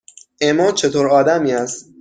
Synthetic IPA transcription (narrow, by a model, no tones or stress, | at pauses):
ʔemɒːt͡ʃʰe̞t̪ʰoːɾɒːd̪æmiːæst̪